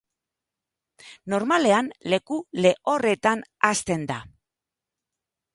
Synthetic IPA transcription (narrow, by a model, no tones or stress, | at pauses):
no̞ɾmale̞anle̞kule̞ʔo̞re̞t̪anast̪e̞nd̪a